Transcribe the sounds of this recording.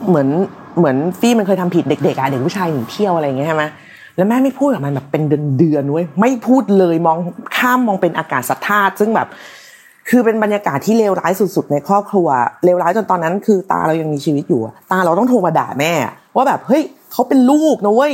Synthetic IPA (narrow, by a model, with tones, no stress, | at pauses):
mɯ˩˦ən | mɯ˩˦ənfiː˥˩m˧nkʰɤː˧jt̪ʰa˧mpʰi˨˩t̪̚de˨˩k̚de˨˩k̚ʔa˨˩de˨˩k̚pʰu˦˥˩t͡ɕʰaː˧jnɯ˨˩˦t̪ʰi˥˩əwʔa˧ɾa˧jːa˨˩ŋi˦˥t͡ɕʰjma˦˥ | lɛː˦˥wmɛː˥˩ma˥˩jpʰuː˥˩t̪̚ka˨˩ma˧bɛː˨˩pːe˧ndɯ˧əndɯ˧əndu˥˩əjma˥˩jpʰuː˥˩t̪̚lɤː˧jmɔː˧ŋkʰaː˥˩mːɔː˧ŋpe˧nʔaː˧kaː˨˩t̪̚sa˨˧˩t̪ʰːaː˥˩t̪̚sɯ˥˩ŋbɛː˨˩p̚ | kʰɯː˧pe˧nba˧njaː˧kaː˨˩t̪ʰːiː˥˩leː˧wɾaː˦˥jsu˨˩t̪̚su˨˩t̪̚na˧jkʰɾɔː˥˩p̚kʰɾu˧ɐleː˧wɾlaː˦˥jt͡ɕo˧nt̪ɔː˧nːa˦˥nkʰɯː˧t̪a̰ː˧ɾa˧wja˧ŋmiː˧t͡ɕʰiː˧wi˦˥t̪̚juː˨˩ʔa̰˨˩t̪aː˧ɾa˧wt̪ɔ˥˩ŋt̪ʰoː˧ma˧da̰ː˨˩mɛː˥˩a̰˩ʔ | waː˥˩bɛː˨˩p̚hɤ˦˥j | kʰa˦˥wpe˧nluː˥˩k̚na˦˥˩j